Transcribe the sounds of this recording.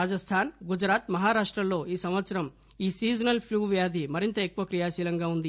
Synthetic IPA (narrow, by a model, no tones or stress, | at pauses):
aːd͡ʒɐst̪ʰaːnɡud͡ʒɾaːt̪mɐɦaːɾaːʂʈɾɐmlːo̞ːiːsɐmʋɐt̪sɐɾɐm | iːsiːd͡ʒɐnɐlpʰluːʋjaːd̪ʱimɐɾint̪ɐekːuʋɐkɾijaːsiːlɐŋɡaːund̪i